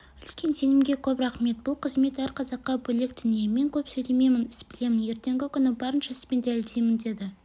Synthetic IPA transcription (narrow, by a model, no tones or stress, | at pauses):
ʏltkʲe̞nse̞nɪmɡʲe̞kʲʰɵpɾɑχme̞t̪̚bʊlˠqʰəzme̞t̪æɾqʰɑzɑqːɑbɵlek̚d̪ʏnijeme̞ŋkʲʰɵpsɵjleme̞jmɪnɪsbɪle̞mɪnje̞ɾt̪e̞ŋɡʲɪkʲʰʏnɪbɑɾənʃɑspend̪ælɪd̪e̞jmɪnd̪e̞d̪ɪ